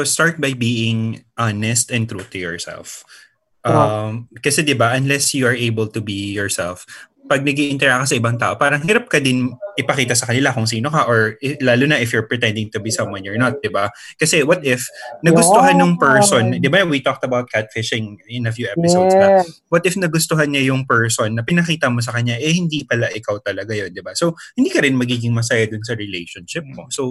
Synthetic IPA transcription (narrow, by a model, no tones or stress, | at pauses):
ost̪aɹt̪̚bɐjbiːɪŋʔanɛst̪ɛnt̪ɾut̪ʊjɔ̰ɹsɛ̰lf | ʔɐmkɐsɛd̪ɪbaʔɐnlɛsjuɐɹʔejbɛlt̪ʊbijɔɹsɛ̰lf | pɐɡ̚nɐɡiʔɪnt̪ɛɹɐkɐsɐʔɪbaŋt̪a̰ːʔo̞paːɾɐŋɦiːɾɐp̚kɐd̪ɪnʔɪpɐkiːt̪ɐsɐkɐnɪlakʊŋs̬iːnokɐʔoɹɪlaːlʊnɐʔɪfjʊɹpɹɪt̪ɛ̃nd̪ɪŋt̪ʊbisɐ̃mwɐ̃nɔɹnɐt̪̚d̪ɪbakɐsɛwɐt̪ɪfnɐɡʊst̪oɦanjʊŋpɛɹsond̪ɪbawit̪ok̚t̪ɐbawt̪̚kʰat̪̚fɪʃɪ̃ŋɪnɐfjuʔɛpɪsowsnɐwɐt̪ɪfnɐɡʊst̪oɦɐnɲɐjʊŋpɛɹsonːɐpɪnɐkiːt̪ɐmos̬ɐkɐɲːaʔɛhɪnd̪ipɐlaʔɪkawt̪ɐlɐɡajo̞nd̪ɪbasowhɪnd̪iːkɐɾɪnmɐɡiːɡɪŋmɐs̬ajad̪ʊnsɐɹɪlḛjʃonʃɪp̚mo̞̰sow